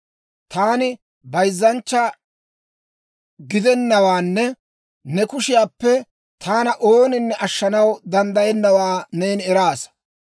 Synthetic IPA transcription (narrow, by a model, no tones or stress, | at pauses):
t̪aːnɪ | bɐjzːɐnt͡ʃːɐ | ɡɪd̪ɛnːɐwaːnːɛ | nɛkʊʃɪjaːpːɛ | t̪ʰaːnɐʔo̞ːnɪnːɛʔɐʃːɐnɐwd̪ɐnd̪ɐjɛnːɐwaːneːnɛɾaːs